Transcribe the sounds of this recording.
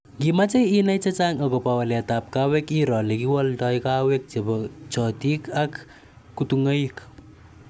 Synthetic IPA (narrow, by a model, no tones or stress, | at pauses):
ŋɡimat͡ʃejinajt͡ʃat͡ʃaŋakɔpawalatap̚kawɛkiɾɔlekiwɔltɔjkawek̚t͡ʃebɔt͡ʃɔtikakː | utuŋaik